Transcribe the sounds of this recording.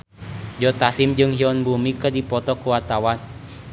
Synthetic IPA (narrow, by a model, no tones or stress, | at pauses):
d͡ʒɔt̪asimd͡ʒɨŋhiɔnbumikərdipɔt̪ɔkuwat̪awan